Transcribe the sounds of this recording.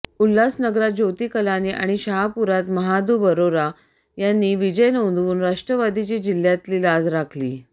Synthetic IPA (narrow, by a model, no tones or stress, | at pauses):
ulːasnəɡɾat̪̚d͡ʑot̪iːkəlaniːʔa̰ɽ̃iɕəɦapuɾat̪məɦad̪ubəɾoɾa | janːiːʋid͡ʑəjnond̪ʋuːnɾaʂʈɾəʋad̪ʱit͡ɕiːd͡ʑil̤ːjat̪liːlad͡zɾakʰlḭː